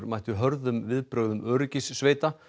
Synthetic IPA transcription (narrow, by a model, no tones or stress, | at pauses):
ɾmajht̪ʏɦœɾðʏmvɪðpɾœɣðʏmʔœːɾʏcɪsːveːjt̪a